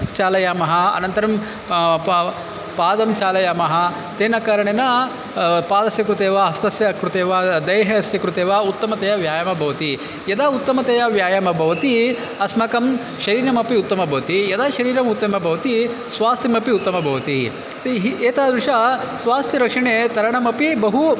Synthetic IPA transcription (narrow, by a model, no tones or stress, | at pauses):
t͡ʃaːlɐjaːmɐɦɐ̆ɐ̰nɐnt̪ɐɾɐm | paːd̪ɐmt͡ʃaːlɐjaːmɐɦɐ | t̪eːnɐkaɾɐɳenɐ | paːd̪ɐsjɐkɾut̪eːʋɐɦɐst̪ɐsjɐkɾut̪eːʋad̪ɐjɦɐɐsjɐkɾut̪eːʋaːut̪ːɐmɐt̪ɐjɐʋjaːjɐmɐbʱɐʋɐt̪i | jɐd̪aːut̪ːɐmɐt̪ejɐʋjaːjɐmɐbʱɐʋɐt̪i | ɐsmɐkɐm | ʃɐɾiːɾɐmɐpiut̪ːɐmɐbʱɐʋɐt̪ijɐd̪aːʃɐɾiːɾɐmut̪ːɐmɐbʱɐʋɐt̪i | sʋaːst̪ʰimɐpiut̪ːɐmɐbʱɐʋɐt̪i | t̪ɦieːt̪aːd̪ɾiʂasʋaːst̪ʰiɾɐkʂɐɳeːt̪ɐɾɐɳɐmɐpibɐɦu